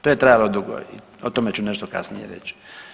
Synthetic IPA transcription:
t̪ojet̪ɾajalod̪uɡo̰i | ot̪omet͡ɕuneʃt̪oka̰snḭjḛɾḛt͡ɕ

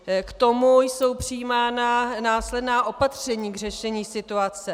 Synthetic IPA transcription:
kt̪o̞mujso̞wpr̝̥ɪiːmaːnanaːslɛdnaːʔo̞pat̪r̝̥ɛɲiːɡr̝ɛʃɛɲiːsɪt̪uat͡sɛ

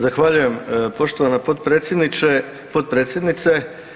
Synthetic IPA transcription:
zaxʋaʎuje̞mpo̞ʃt̪oʋanapod̪pɾesjed̪nit͡ʃe | po̞d̪̚pɾe̞ːt̪sʲje̞d̪nit̪se̞

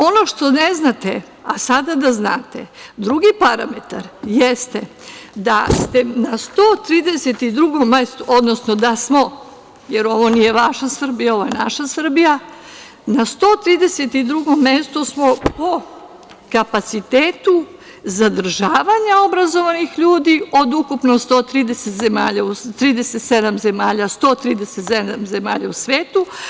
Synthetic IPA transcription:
o̞no̞ʃt̪o̞neznat̪ḛ | asad̪ad̪azna̰ːt̪ed̪ɾuɡipaɾa̰me̞t̪a̰ɾjest̪e | d̪ast̪enast̪oːt̪ɾiːd̪e̞set̪id̪ɾuɡo̞mːest̪uʔod̪nosnod̪asmo̞ | jeɾo̞ʋo̞nije̞ʋaʃasr̩bijao̞ʋojena̰ʃasr̩bija | nast̪oːt̪ɾiːd̪e̞set̪id̪ɾuɡo̞mːest̪usmo̞po | kapat̪sit̪eːt̪u | zad̪r̩ʒaːʋaɲao̞bɾazo̞ʋanixʎuːd̪io̞d̪ukupnost̪oːt̪ɾiːd̪eset̪ze̞maːʎaust̪ɾiːd̪eset̪sed̪amze̞maːʎast̪o̞ːt̪ɾiːd̪eset̪zed̪amze̞ma̰ːʎa̰usʋeːt̪u

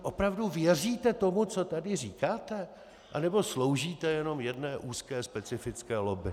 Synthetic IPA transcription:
ʔo̞pɾavduvjɛr̝iːt̪ɛt̪o̞mut͡so̞t̪adɪr̝iːkaːt̪ɛ | ʔa̰nɛbo̞slo̞wʒiːt̪ɛjɛno̞mjɛdnɛːʔuːskɛːspɛt͡sɪfɪt͡skɛːlobɪ

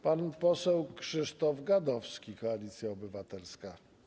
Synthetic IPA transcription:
panpɔsɛwkʂɘʂt̪ɔvɡad̪ɔfskʲikɔalʲit̪sʲjaɔbɘvat̪ɛlska

